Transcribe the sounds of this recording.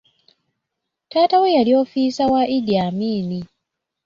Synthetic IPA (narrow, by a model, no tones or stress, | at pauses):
taːtawejalioːfisawaʔidiamiːni